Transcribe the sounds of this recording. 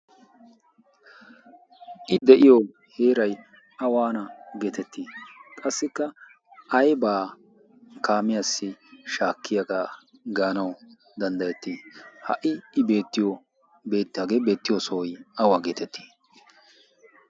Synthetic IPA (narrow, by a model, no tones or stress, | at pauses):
ʔɪd̪ɛʔɪjo | he̞ːɾɐj | ɐwaːnɐɡeːt̪ɛt̪ːiːkʼɐsːɪkːɐ | ʔɐjbaː | kaːmɪjaːsːɪʃaːkːɪjɐɡa | ɡaːnɐw | d̪ɐnd̪ɐjɛt̪ːihɐ̰ʔɪʔɪbe̞ːt̪ːɪjo | be̞ːt̪ːɪaːɡeːbe̞ːt̪ːɪjosojʔɐwaːɡeːt̪ɛt̪ʰːi̥ː